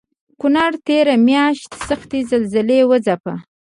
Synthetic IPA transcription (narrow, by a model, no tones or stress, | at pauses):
kʊnaɽt̪eɾamjɑʃt̪saxt̪ezalzɪlewəzapa